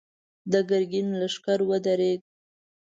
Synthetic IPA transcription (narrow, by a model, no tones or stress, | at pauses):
d̪əɡaɾɡinlaʃkaɾwəd̪aɾeɡ̚